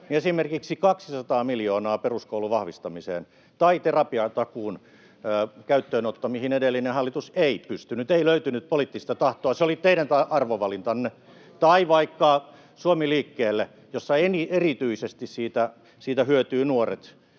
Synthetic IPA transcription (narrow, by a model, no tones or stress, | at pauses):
niesimerkiksikɑksi̥sɑt̪ɑːmiljoːnɑːperuskouluʋɑhʋist̪ɑmisḛːn | t̪ɑit̪erɑpiɑt̪ɑkuːnː | kæyt̪ːøːnot̪ːɑmihinedelːinehɑlːit̪useipyst̪ynyt̪eiløyt̪ynyt̪̚polit̪ːist̪ɑt̪ɑht̪oɑseolit̪eiɾænt̪ɑʔɑrʋoʋɑlint̪ɑnːe | t̪ɑiʋɑikːɑ | suomiliːkːeːlːe | josːɑenierit̪yisest̪issiːt̪æ | siːt̪æhyøt̪yːnuorḛt̪